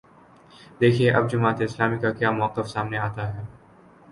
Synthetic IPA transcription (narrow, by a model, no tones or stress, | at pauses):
d̪eːkʰieʔɐb̚d͡ʒʊmaːt̪eɪslaːmikakjaːmʊqːəfsaːmneaːt̪aɦɛː